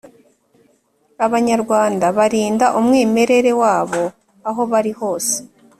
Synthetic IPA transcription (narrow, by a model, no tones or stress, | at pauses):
aβaɲaɾɡwaːndaβaɾiːndaʔumŋiːme̞ɾe̞ɾe̞waːβo̞ | aɦo̞βaɾiho̞ːse̥